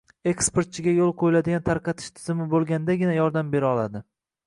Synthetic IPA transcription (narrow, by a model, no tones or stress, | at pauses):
e̞kspeɾt̪̚t͡ʃʰɪɡʲajolˠqʰojɪlad̪ɪɡʲant̪ʰaɾqɑt̪ʰɪ̥ʃt̪ʰɪzɪmɪbolˠɡʲand̪aɡʲɪnajɒɾd̪ambe̞ɾɒlˠad̪ɪ